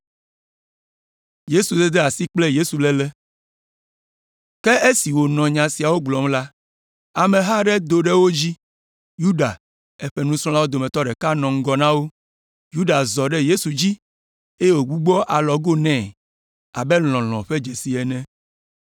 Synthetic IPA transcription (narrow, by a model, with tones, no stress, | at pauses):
je˦su˨d̪ɛ˦d̪ɛ˦a˨si˦k͡plɛ˦je˦su˨lɛ˦lɛ˦ | kɛ˦ʔe˦si˨wo˨nɔ̃˨ɲã˨si˨a˨wo˦ɡ͡blɔ˨˦mla˦ | a˨mɛ̃˨ɦa˦ɖɛ˦d̪o˨ɖɛ˦wo˦d͡ʑi˦ | ju˦ɖa̰˨ | ɛ˦ɸɛ˦nũ˦sɾ̃ɔ̃˦la˦wo˦d̪o˨mɛ̃˨t̪ɔ˦ɖɛ˨ka˦nɔ̃˨ŋ̩˦ɡɔ˦nã˦wo˦ | ju˦ɖa˨zɔ˨ɖɛ˦je˦su˨d͡ʑi˦ | e˦e˦˨wo˨ɡ͡bu˦ɡ͡bɔ˦ʔa˨lɔ˨ɡo˦nɛ̃ː˦˨ | a̰˨bɛ˦l̃ɔ̃˨l̃ɔ̰̃˨ɸe˦d͡ʒe˨si˨ɛ˨nɛ̃˦